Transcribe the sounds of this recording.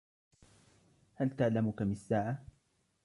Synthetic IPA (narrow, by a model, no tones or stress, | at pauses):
halt̪aʕlamʊkamɪsːaːʕa